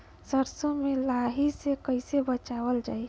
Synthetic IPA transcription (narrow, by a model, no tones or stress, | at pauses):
səɾsomelaɦisekəɪsebət͡ʃabəld͡ʒaj